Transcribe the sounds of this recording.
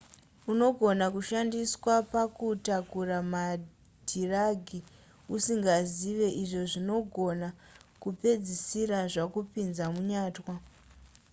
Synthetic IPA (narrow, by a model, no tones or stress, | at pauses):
uno̞ɡʱo̞nakuʃandiswapakutakurama | d̥ʱiraɡʱi | usiŋɡaziʋe̞ʔiʐo̞ʐino̞ɡʱo̞nakupe̞d͡zisiɾaʐakupinzamuɲaːtwa